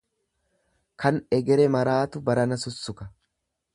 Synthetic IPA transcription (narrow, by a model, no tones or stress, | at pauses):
kʰɐnɛɡɛɾɛmɐɾaːt̪ʊbɐɾɐnɐsʊsːʊkɐ